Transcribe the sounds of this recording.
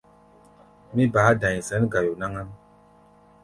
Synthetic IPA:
mi˦baː˨˦dã˨zɛ˨˦nɡa˨jo˨na˦ŋa˦m

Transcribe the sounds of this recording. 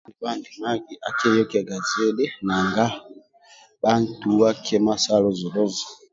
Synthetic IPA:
i˨ba˦˨ndi˨ma˦ɡi˨ʔa˨kɛ˦ɾɔ˦kɛ˨ɡa˨zɛ˦dɛ˦na˨ŋɡa˦ | ɓa˦n̩˨tu˨wa˦kʰɛ˦ma˦sa˦lɔ˦zɔ˨lɔ˦za˨

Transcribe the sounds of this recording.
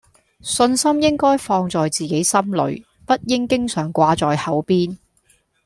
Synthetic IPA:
sɵ˧nsɐ˥mjɪ˥ŋkɔː˥jfɔː˧ŋt͡sɔː˨jt͡siː˨ke˨˥jsɐ˥mlɵ̰˨˥ɥ | pɐ˥t̚jɪ˥ŋkɪ˥ŋsœː˨˩ŋkʷaː˧t͡sɔː˨jhɐ˨˥wpiː˥n

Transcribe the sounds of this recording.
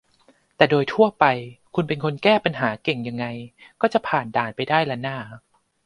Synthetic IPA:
t̪ɛː˨˩doː˧jt̪ʰu˥˩ɐpa˧jkʰu˧npe˧nkʰo˧nkɛː˥˩pa˧nɦaː˩˦ke˨˩ŋja˧ŋːa˧jkɔː˥˩t͡ɕa˨˩pʰaː˨˩ndaː˨˩npa˧jdaː˥˩jlɛ˦˥naː˥˩

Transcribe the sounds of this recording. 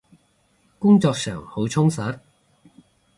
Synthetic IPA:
kʊ˥ŋt͡sɔː˧k̚sœ̰ː˨˩ŋho˨˥wt͡sʰʊ˥ŋsɐ˨˥t̚

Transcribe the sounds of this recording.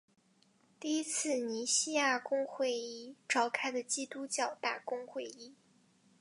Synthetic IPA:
t̪i˥˩i˥t͡sʰɹ̩˥˩ni˧˥ɕi˥ja˥˩kʊ˥ŋxwe˥˩ɪi˥˩ʈ͡ʂɑ˥˩ʊkʰa˥ɪd̪ə˨t͡ɕi˥t̪u˥t͡ɕjɑ˥˩ʊt̪a˥˩kʊ˥ŋxwe˥˩ɪi˥

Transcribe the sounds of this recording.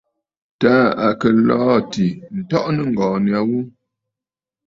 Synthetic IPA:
taː˦a˨kə˨lɔː˦ti˨n̩˨tɔ˦ʔnə˦ŋ˨ɡɔː˨ni˨a˨˦wu˦

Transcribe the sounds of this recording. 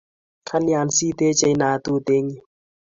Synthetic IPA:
kʰa˦ni˦a˨nsi˦t̪e˦t͡ʃe˧jna˨t̪u˦t̪e˦ŋi˦

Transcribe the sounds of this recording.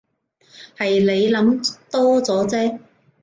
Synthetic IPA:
hɐ˨jle˨˧jlɐ˨˥mt̪ɔː˥t͡sɔː˨˥t͡sɛː˥

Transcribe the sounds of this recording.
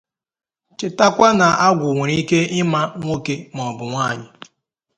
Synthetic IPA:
t͡ʃɪ˨ta˦kʷa˦na˨ʔa˦ɡʷʊ˨ŋʷe˨ɾi˦ke˦ɪ˦ma˦ŋʷo˦ke˦m˨ɔ˨bʊ˨ŋʷaː˦˨ɲɪ˦

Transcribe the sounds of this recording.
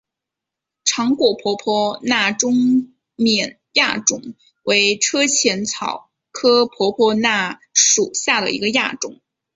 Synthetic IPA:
ʈ͡ʂʰɑ˧˥ŋkwɔ˨˩pʰwɔ˧˥pʰɔ˥na˥˩ʈ͡ʂʊ˥ŋ | mjɛ˨˩n | ja˥˩ʈ͡ʂʊ˨˩˦ŋ | we˧˥ɪʈ͡ʂʰɤ˥t͡ɕʰjɛ˧˥nt͡sʰɑ˨˩˦ʊ | kʰɤ˥pʰwɔ˧˥pʰwɔ˥na˥˩ʂu˨˩ɕja˥˩d̪ə̰˩ḭ˧˥ɡə˧ja˥˩ʈ͡ʂʊ˨˩˦ŋ

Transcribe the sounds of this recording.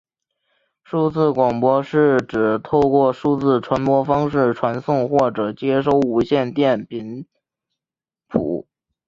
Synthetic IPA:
ʂu˥˧t͡sɹ̩˥˩kwɑ˨˩ŋpwɔ˧˥ʂɻ̩˥˩ʈ͡ʂɻ̩˨˩t̪ʰo˥˧ʊkwɔ˥˩ʂu˥˧t͡sɹ̩˥˩ʈ͡ʂʰwa˧˥npwɔ˥fɑ˥ŋʂɻ̩˥˩ʈ͡ʂʰwa˧˥nsʊ˥˧ŋxwɔ˥˩ʈ͡ʂɤ˨˩t͡ɕjɛ˥ʂo˥˩ʊu˧˥ɕjɛ˥˧nt̪jɛ˥˩npi˧˥n | pʰṵ˨˩˦

